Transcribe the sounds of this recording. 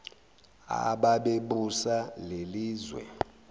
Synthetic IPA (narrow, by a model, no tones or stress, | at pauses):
a̰ɓaɓeɓusaleliːzwɛ̰